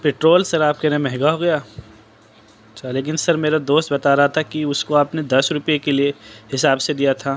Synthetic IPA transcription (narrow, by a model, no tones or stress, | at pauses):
peːʈɾoːlsɐɾaːp̚keɾemɛɦɡaɦoːɡɐjaː | t͡ʃʰaleːk̬ɪnsɐɾmeːɾad̪oːst̪bɐt̪aɾɐɦat̪ʰakiʊskoaːpned̪ɐsɾʊpijekelieɦɪsaːbsed̪ijat̪ʰaː